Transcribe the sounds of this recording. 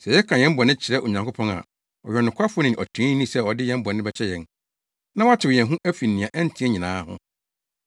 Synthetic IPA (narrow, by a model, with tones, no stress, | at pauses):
sɛ˨jɛ˦kʰã˨jɛ̃˦m˦bɔ˨nɪ̃˦t͡ɕʰɪ˨ɾɛ˦ʔo˨ɲã˨ŋkʰo˦pʰɔ̃˦na̰˨ | ɔ˨ɥɛ˨nʊ̃˨kʷʰa˦fʊ˦nɪ̃˨ʔɔ˨tʰĩ˦nːĩ˦sɛ˦ɔ˨dɪ˦jɛ̃˦m˦bɔ˨nɪ̃˦bɛ˦t͡ɕʰɛ˦jɛ̃˨n | nã˦wa˦t͡ɕʰɪ˨wjɛ̃˨nɦũ˦ʔæ˦fi˨n˨nĩ˨ã˨ʔɛ˦n˦˨tʰĩ˦ɛ˦ɲĩ˨nãː˨˦hʊ̰̃˦